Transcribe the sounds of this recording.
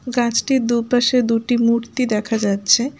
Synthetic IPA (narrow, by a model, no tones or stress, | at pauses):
ɡãt͡ɕʈid̪upaʃed̪uʈimuɾt̪id̪ɛkʰad͡ʑatːɕʰe